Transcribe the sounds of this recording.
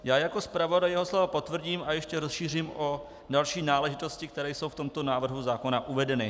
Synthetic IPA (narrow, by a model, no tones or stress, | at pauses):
jaːjako̞spɾavo̞dajɛɦoslovapo̞t̪vr̩ɟiːmʔajɛʃcɛɾosʃiːr̝iːmʔo | dalʃiːnaːlɛʒɪt̪o̞scɪkt̪ɛɾɛːjso̞wft̪o̞mt̪o̞naːvr̩ɦuzaːko̞naʔuvɛdɛnɪ